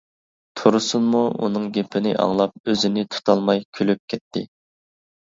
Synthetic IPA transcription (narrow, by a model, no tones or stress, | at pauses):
t̪ʰuɾusunmuṵnɨŋɡʲepʰɪnɪʔɑ̰ŋlˠɑp̚øzɪnɪt̪ʰu̥t̪ʰɑlˠmɑjkʲʰølyp̚kʲʰɛt̪ʰːɪ̰